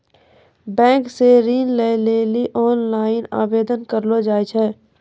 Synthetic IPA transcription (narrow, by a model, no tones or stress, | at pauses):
bɛ̃ːŋkseɾiːnleleːliʔɔːnlaːɪna̰ːbeːd̪ənkəɾlod͡ʒaːjt͡ʃʰɛː